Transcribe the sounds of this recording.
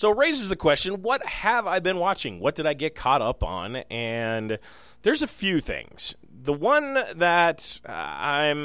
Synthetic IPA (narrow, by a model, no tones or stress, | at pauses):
soʊɹeɪzɨzðɨkʰw̥ɛst͡ʃɨ̃nwʌt̚hɨvaɪbɨ̃nwɑt͡ʃɪ̰̃ŋwʌt̚d̥ɨɾaɪɡɛt̚kʰɑɾʌpn̩ɨ̃n | ðə˞zɨfjʉθɪ̰̃ŋz̥ | ðəwʌ̃nðɨtã̰ɪ̃m